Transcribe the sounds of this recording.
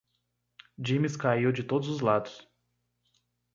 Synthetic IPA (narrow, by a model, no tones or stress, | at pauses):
d͡ʒĩmɪskaiwd͡ʒɪt̪od̪ʊzʊzlad̪ʊ̥s